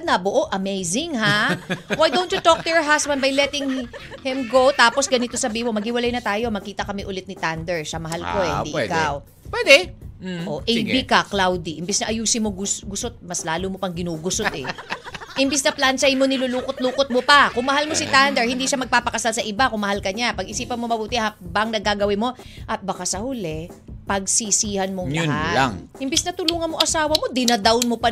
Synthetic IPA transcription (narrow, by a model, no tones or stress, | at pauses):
d̪̚nɐboʔoʔɐmejzɪŋɦawajd̪ownt͡ʃʊt̪ok̚t̪ʊjɔɹɦasbɐnd̪bɐjlɛt̪ɪŋhɪmɡowt̪aːpo̞sɡɐnɪt̪osɐbiːhɪmo̞mɐɡ̚hɪwɐlajnɐt̪aːjo̞mɐkiːt̪ɐkɐmɛʔʊlɛt̪̚nɪt̪and̪ɛɹʃɐmɐɦalkod̪ḭʔɪɛdkaw | pwɛd̪ɛʔoʔɛjbikɐklawd̪iʔɪmbɛsnɐʔɐjuːsɪnmoɡʊsɡʊsot̪̚mɐslaːlumopɐŋɡɪnuːɡʊsot̪ɛ̰ʔɪmbɛsnɐplansajmonɪluluːkot̪̚luːkot̪̚mopɐkʊŋmɐɦalmosɪt̪and̪ɛɹhɪnd̪iʃamɐɡ̚paːpɐkɐsalsɐʔɪbakʊŋmɐhalkɐɲapɐɡʔɪsiːpɐnmo̞mɐbuːt̪ɪhabaŋnɐɡaɡɐwɪmo̞ | ʔɐt̪̚bɐkasɐhʊlɛ | pɐɡ̚sisiːhɐnmoŋlɐʊhala̰ŋhɪmbɛsnɐt̪ʊluːŋɐnmo̞ʔɐsaːwɐmo̞d̪ɪnɐd̪awnmopɐ